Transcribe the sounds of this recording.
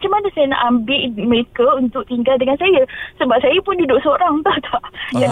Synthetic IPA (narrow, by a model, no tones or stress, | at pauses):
t͡ʃamanəsajəna̰ʔambɪlməɾekəunt̪ʊk̚t̪iŋɡaldəŋansajəsəbap̚sajapʊndudʊʔsəoɾaŋt̪aht̪aja